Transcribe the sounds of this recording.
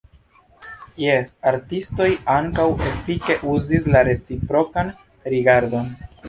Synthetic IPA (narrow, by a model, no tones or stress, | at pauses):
jesaɾtisto̞jaŋkawe̞flike̞ʔuzislaɾe̞t͡sipɾo̞kan | ɾiɡaɾdo̞n